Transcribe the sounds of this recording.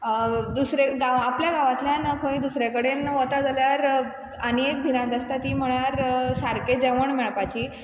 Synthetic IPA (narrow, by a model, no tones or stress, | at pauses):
d̪usɾeɡaʋapljaɡaʋat̪ljanəkʰõĩd̪usɾjakəɽenʋət̪ad͡zaljaɾ | əneek̚bʱinãd̪əst̪at̪iːm̤əɭjaɾsaɾked͡ʑeʋəɳmɛɭpat͡ɕiː